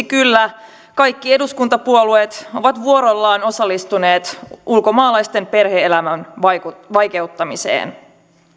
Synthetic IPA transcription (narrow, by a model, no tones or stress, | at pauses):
kylːæ | kɑjkːieduskunt̪ɑpuoluet̪o̞ʋɑt̪ʋuo̞ɾo̞lːɑːno̞sɑlːist̪une̞ːt̪ulko̞mɑːlɑjst̪e̞mpe̞rɦe̞elæmænʋɑjke̞uwt̪ːɑmisḛːn